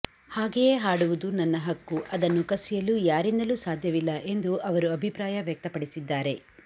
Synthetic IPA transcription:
haːɡejeɦaːɽuʋud̪unɐnːɐɦɐkːuʔɐd̪ɐnːukɐsijɐluːjaːɾind̪ɐluːsaːd̪ʱjɐʋilːɐʔe̞nd̪uʔɐʋɐɾuɐbʱipɾaːjɐʋjɐk̚t̪ɐpɐɽisid̪ːaːɾe̞

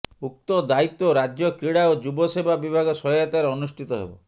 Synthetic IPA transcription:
uk̚t̪ɔd̪ait̪ːoɾad͡ʒjɔkɾiɽaod͡ʒubɔsebʱabibʱaɡɔsɔjɔjat̪aɾeɔnusʈʰit̪ɔɦḛbɔ̰

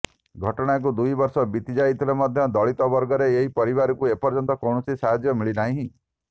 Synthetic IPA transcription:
ɡʱɔʈɔɽ̃ak̬ud̪ujbɔɾsɔbit̪id͡ʒajit̪ʰilemɔd̪ʱjɔd̪ɔɭit̪ɔbɔɾɡɔɾeːɦipɔɾibaɾɔkuepɔɾd͡ʒɔnt̪ɔkɔwɳɔsisaɦad͡ʒjɔmiɭinaɦĩɦĩ

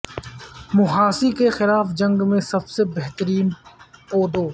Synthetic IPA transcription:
mʊɦaːsikexɪlaːfd͡ʒɐ̃ŋɡmẽsɐbsebɛɦt̪əɾiːnpoːd̪oː

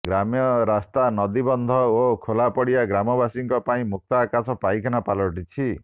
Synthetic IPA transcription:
ɡɾamjɔɾast̪anɔd̪ibɔnd̪ʱɔokʰolapɔɽijaɡɾamɔbasiŋkɔpaĩmuk̚t̪aːkasɔpajkʰanapalɔʈit͡ʃʰi

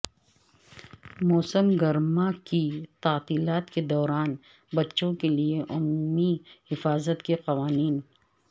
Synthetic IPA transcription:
mɔːsəmɡɐɾmakit̪aːt̪iːlaːt̪ked̪ɔːɾaːn | bɐtːʃõkelieʔʊmuːmihɪfaːzət̪keqɐʋaːniːn

